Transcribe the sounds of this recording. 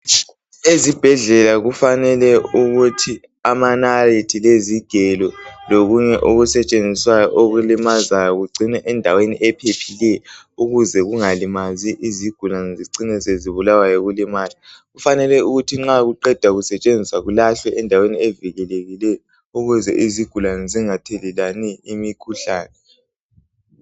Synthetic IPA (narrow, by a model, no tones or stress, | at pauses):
ezib̥ʱɛɮɛlaɣufanɛlɛuɣutʰi | amanaritʰileziɡ̥ʱɛlɔloɣuɲɛʔoɣusɛt͡ʃʼend͡zʱiswajɔʔoɣulimazajɔɣuɡ͡ǀʱinɛʔɛndʱaweniʔɛpʰepʰilɛɔ | uɣuzɛɣuŋalimaziʔiziɡ̥ʱulaniziǀinɛzeziβulawajɔɣulimaːliɣufanɛlɛuɣutʰiŋ͡ǁaɣuǃɛd̥ʱwaɣusɛt͡ʃʼend͡zʱisaɣulaɬwɛʔɛndʱaweniɛviɣɛleɣilɛjɔ | uɣuzɛ̰ʔiziɡ̥ʱulaniziŋatʰɛlilaniimikʰuɬaːnɛ